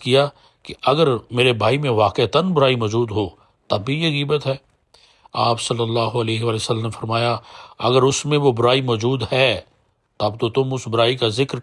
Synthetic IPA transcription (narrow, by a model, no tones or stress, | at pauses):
kija | keɐɡəɾmeːɾebʱaːimẽʋaːqet̪ənbʊɾaːimɔːd͡ʒuːd̪ɦoː | t̪ɐbʱijeɣiːbət̪ɦɛː | aːpsɐlːəlːaːɦoɐleːɦeʋaːlesəlːəmnefɐɾmaːjaɐɡəɾʊsmẽʋobʊɾaːimɔːd͡ʒuːd̪hɛː | t̪ɐb̚t̪ot̪ʊmʊsbʊɾaːikazɪkɾ